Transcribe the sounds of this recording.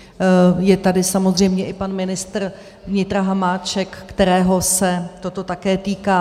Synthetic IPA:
jɛt̪adɪsamo̞zr̝ɛjmɲɛʔɪpanmɪnɪst̪r | vɲɪt̪ɾaɦamaːt͡ʃɛkːt̪ɛɾɛːɦo̞sɛt̪o̞t̪o̞t̪akɛːt̪iːkaː

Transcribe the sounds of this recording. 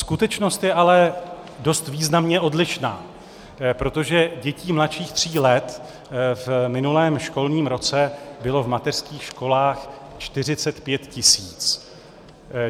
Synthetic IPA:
skut̪ɛt͡ʃno̞st̪jɛʔalɛ | do̞st̪viːznamɲɛʔo̞dlɪʃna̰ː | pɾo̞t̪o̞ʒɛɟɛciːmlat̪ʃiːxt̪r̝̥iːlɛt̪ | vmɪnulɛːmʃko̞lɲiːmɾo̞t͡sɛbɪlo̞vmat̪ɛr̥skiːxʃko̞laːx | t͡ʃt̪ɪr̝ɪt͡sɛt̪pjɛt̪cɪsiːt͡s

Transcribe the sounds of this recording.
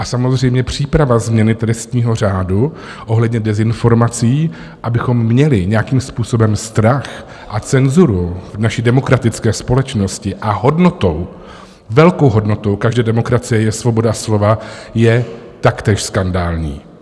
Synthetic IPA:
ʔasamo̞zr̝ɛjmɲɛpr̝̥iːpɾavazmɲɛnɪt̪ɾɛst̪ɲiːɦo̞r̝aːdu | ʔo̞ɦlɛdɲɛdɛzɪnfo̞ɾmat͡siː | ʔabɪxo̞mːɲɛlɪɲɛjakiːmspuːso̞bɛmst̪ɾax | ʔat͡sɛnzuɾuvnaʃiːdɛmo̞kɾat̪ɪt͡skɛːspo̞lɛt͡ʃno̞scɪʔaɦo̞dno̞t̪ow | vɛlko̞wɦo̞dno̞t̪o̞wkaʒdɛːdɛmo̞kɾat͡sɪjɛjɛsvo̞bo̞daaslo̞vajɛt̪akt̪ɛːʃskandaːlɲḭː

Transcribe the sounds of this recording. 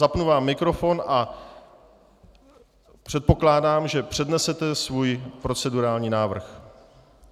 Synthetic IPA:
zapnuvaːmːɪkɾo̞fo̞nʔa | pr̥ɛt̪̚po̞klaːdaːmʒɛpr̝̥ɛdnɛsɛt̪ɛsvuːjpɾo̞t͡sɛduɾaːlɲiːnaːvr̩x

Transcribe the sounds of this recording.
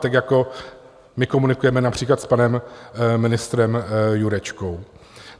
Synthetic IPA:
t̪akjako̞ | mɪkomunɪkujɛmɛnapr̝̥iːklat̪spanɛmːɪnɪst̪ɾɛmjuɾɛt͡ʃko̞w

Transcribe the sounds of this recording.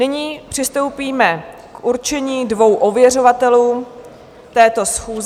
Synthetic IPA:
nɪɲiːpr̝̥ɪst̪o̞wpiːmɛ | kʔuɾt͡ʃɛɲiːdvo̞wʔo̞vjɛro̞vat̪ɛluː | t̪ɛːt̪o̞sxuːz

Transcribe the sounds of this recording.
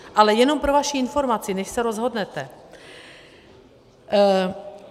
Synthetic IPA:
ʔalɛjɛno̞mpɾo̞vaʃiɪnfo̞ɾmat͡sɪnɛʃsɛɾo̞zɦo̞dnɛt̪ɛ

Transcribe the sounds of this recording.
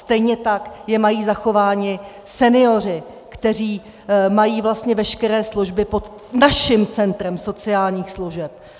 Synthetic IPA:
st̪ɛjɲɛt̪akjɛmajiːzaxo̞vaːɲɪsɛnɪo̞r̝ɪ | kt̪ɛr̝iː | majiːvlast̪ɲɛvɛʃkɛɾɛːsluʒbɪpo̞t̪ | naʃɪmt͡sɛnt̪ɾɛmso̞t͡sɪaːlɲiːxsluʒɛp̚

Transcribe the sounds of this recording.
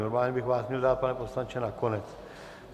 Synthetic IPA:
noɾmaːlɲɛbɪxvaːsmɲɛldaːt̪̚panɛposlaɲt͡ʃɛnakonɛt͡s

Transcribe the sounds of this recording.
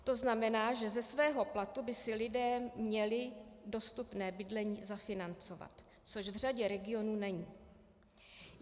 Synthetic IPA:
t̪o̞znamɛnaːʒɛzɛsvɛːɦo̞plat̪ubɪsɪlɪdɛːmɲɛlɪdo̞st̪upnɛːbɪdlɛɲiːzafɪnant͡so̞va̰t̪ | t͡so̞ʃvr̝aɟɛɾɛɡɪo̞nuːnɛɲiː

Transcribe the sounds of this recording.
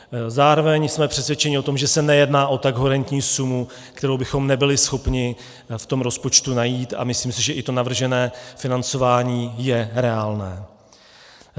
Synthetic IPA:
zaːɾo̞vɛɲsmɛpr̥ɛsvjɛt͡ʃɛɲɪʔo̞t̪o̞mʒɛsɛnɛjɛdnaːʔo̞t̪aɡɦoɾɛnt̪ɲiːsumu | kt̪ɛɾo̞wbɪxo̞mnɛbɪlɪsxo̞pɲɪ | ft̪o̞mɾo̞spo̞t͡ʃt̪unajiːt̪a̰mɪsliːmsɪʒɛʔɪt̪o̞navr̩ʒɛnɛːfɪnant͡so̞vaːɲiːjɛɾɛaːlnɛː

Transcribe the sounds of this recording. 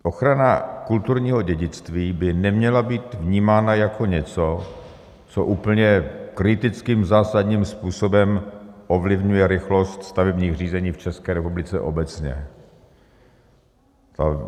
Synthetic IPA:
ʔo̞xɾanakult̪uɾɲiːɦo̞ɟɛɟɪt͡st̪viːbɪnɛmɲɛlabiːt̪vɲiːmaːnajakʰo̞ɲɛt͡so̞ | t͡so̰ʔuːpl̩ɲɛkɾɪt̪ɪt͡skiːmzaːsad̪ɲiːmspuːso̞bɛmʔovlɪvɲujɛɾɪxlost̪st̪avɛbɲiːɣr̝iːzɛɲiːft͡ʃɛskɛːɾɛpublɪt͡sɛ̰ʔo̞bɛt͡sɲɛ̰ | t̪a̰

